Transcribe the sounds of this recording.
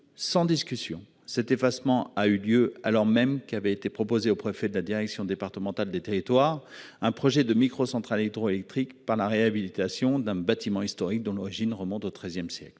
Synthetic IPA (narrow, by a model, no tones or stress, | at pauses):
sɑ̃d̪iskʲysjɔ̰̃ | sɛt̪efasmɑ̃ayljøalɔʁmɛmkavɛet̪epχɔpozeopχefɛd̪əlad̪iʁɛksjɔ̃d̪epaʁt̪əmɑ̃t̪ald̪et̪eʁit̪waːʁɛ̃pχɔʒɛd̪əmikχosɑ̃t̪χalet̪ʁoelɛk̚t̪χikpaʁlaʁeabilit̪asjɔ̃d̪ɛ̃bat̪imɑ̃ist̪ɔʁik̚d̪ɔ̃lɔʁiʒinʁəmɔ̃t̪ot̪χɛzjɛmsjɛ̰kl